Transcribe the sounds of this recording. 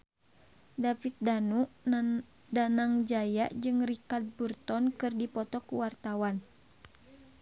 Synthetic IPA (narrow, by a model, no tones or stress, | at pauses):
dapit̪̚danuʔ | danaŋd͡ʒajaʔd͡ʒɨŋrikat̪̚burt̪ɔnkɨrdipɔt̪ɔkuwart̪awan